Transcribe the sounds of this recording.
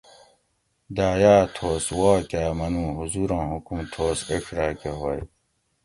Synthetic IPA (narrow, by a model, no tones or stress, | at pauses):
d̪aːjaːt̪ʰoːswaːkaːmɐnuːɦuzuɾɑ̃ːɦukumt̪ʰoːseʂɾaːkeɦwaj